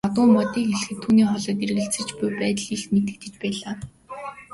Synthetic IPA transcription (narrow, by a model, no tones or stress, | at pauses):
at̪ʊːmpɔt̪iːkxeɮ̆xɘ̆t̪ʰːuːniːχɔɮɞːt̪̬eɾ̆ɣɘ̆ɬt͡sɘ̆t͡ɕpʊjpæːt̪ə̆ɮiɬt̪met̪ɘ̆t̪ɘ̆t͡ɕpæːɮaː